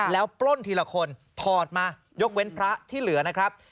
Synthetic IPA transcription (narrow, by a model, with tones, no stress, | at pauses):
lɛː˦˥wplo˥˩nt̪ʰiː˧la˧kʰo˧nt̪ʰɔː˨˩t̪̚maː˧ | jo˦˥k̚we˦˥npʰɾa˦˥t̪ʰiː˥˩lɯ˩˦ɐna˦˥kʰɾa˦˥p̚